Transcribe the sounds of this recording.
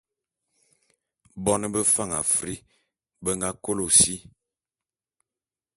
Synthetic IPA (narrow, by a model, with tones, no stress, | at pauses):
bɔ˦nə˦bə˦fa˦˨ŋa˨fɾi˦ | bə˦ŋɡa˦ko˦lo˨si˦